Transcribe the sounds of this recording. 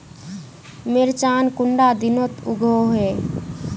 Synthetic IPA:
meɾt͡ʃankuɳɖad̪inot̪uɡʱoɦe

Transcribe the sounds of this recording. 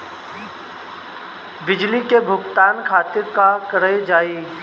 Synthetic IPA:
bɪd͡ʒlikebʱʊɡt̪aːnkʰaːt̪ɪɾkakəɾed͡ʒaːiː

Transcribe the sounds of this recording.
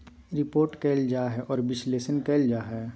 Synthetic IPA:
ɾɪpoːɾʈkɛɪld͡ʒaːɦɛʔɔːɾbɪsleːʃənkɛːld͡ʒaːɦɛ

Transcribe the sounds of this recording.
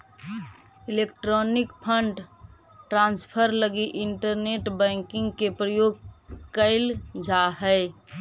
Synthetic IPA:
ɪlekʈɾɔnɪkpʰəɳɖ | ʈɾãːnspʰəɾləɡiʔɪɳʈəɾneʈbə̃ːŋkɪ̃ŋɡkepɾəjoːɡ̚kəɪld͡ʒaɦəɪ

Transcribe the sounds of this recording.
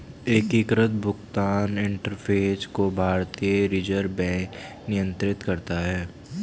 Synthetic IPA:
eːkikɾət̪̚bʱʊɡt̪aːnɪ̃ɳʈəɾpʰeːskobʱaːɾt̪ijəɾɪd͡ʒəɾbɛ̃ːk | nɪjə̃nt̪ɾɪt̪kɐɾt̪aɦɛː

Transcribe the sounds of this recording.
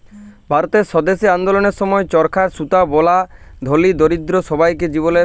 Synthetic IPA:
bʱaɾot̪eɾsɔd̪esiand̪olɔneɾsɔmɔet͡ʃɔɾkʰaɾsut̪abɔlad̪ʱolid̪oɾid̪ɾosɔbajked͡ʒibole

